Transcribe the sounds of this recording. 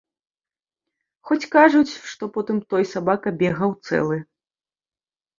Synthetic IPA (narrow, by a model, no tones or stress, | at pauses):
xɔt͡sʲkaʐut͡sʲʂt̪ɔpɔt̪ɨmt̪ɔjsabakɐbʲɛɣɐwt̪sɛ̰lˠɨ